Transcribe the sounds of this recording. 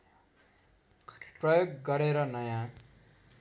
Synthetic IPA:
prʌjoɡɡʌɾeɾʌnʌjã

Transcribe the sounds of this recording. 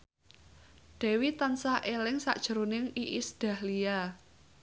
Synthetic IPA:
ɖ̥ɛ̤wit̪ansaʔelɪŋsa̰ʔd̥ʒ̥ə̤ɾunɪŋiʔisd̪̥a̤hlia

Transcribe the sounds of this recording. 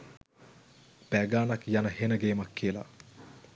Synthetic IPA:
pæɡaːnakjanəhenəɡeːmakːiəla̰

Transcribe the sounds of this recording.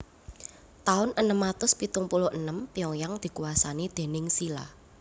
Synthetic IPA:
t̪aʊnʔənəmːat̪ʊspit̪ʊŋpulʊʔənəmpiɔjaŋd̪̥i̤kuwasanid̪̥e̤nɪŋsila̰h

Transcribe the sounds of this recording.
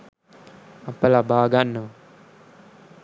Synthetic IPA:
ɐpəlabaːɡanːə

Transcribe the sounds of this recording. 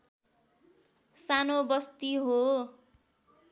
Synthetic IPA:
sanobʌst̪iɦo

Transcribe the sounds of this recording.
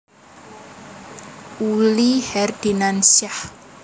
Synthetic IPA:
ulihɛrd̥inansiah

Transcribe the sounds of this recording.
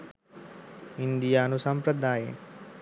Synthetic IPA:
ind̪ijaːnusɐmpɾɐd̪aːjḛ

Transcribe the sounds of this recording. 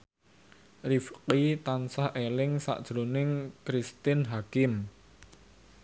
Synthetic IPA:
rifqit̪ansahʔelɪŋsa̰ʔd̥ʒ̥ɾonɪŋkɾist̪ɪnɦakɪm

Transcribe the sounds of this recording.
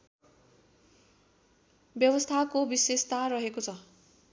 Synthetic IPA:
bjʌbʌst̪ʰakobisest̪arʌɦekot͡sʰʌ

